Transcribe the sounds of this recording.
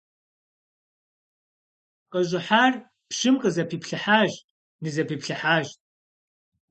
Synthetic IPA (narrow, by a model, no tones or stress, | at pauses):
qʼəʒʷɪħaːr | pʂɪmqʼəzɐpʰiːpʰɬɨħaːʒ | nɨzɐpʰiːpɬɨħaːʒʼ